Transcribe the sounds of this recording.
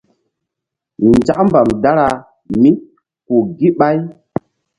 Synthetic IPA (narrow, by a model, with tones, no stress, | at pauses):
nd͡ʒa˦ʔmba˨mda˦ɾa˨ | mi˦ | ku˨ɡi˦ɓa˦j